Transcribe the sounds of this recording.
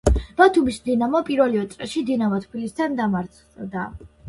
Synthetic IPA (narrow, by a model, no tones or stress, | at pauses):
b̥at̪ʰumisd̪inamɔpʼiɾvɛliɔt̪sʼɛʃid̪inamɔt̪ʰkʰilisd̪and̪amaɾt̪sʰ | d̪a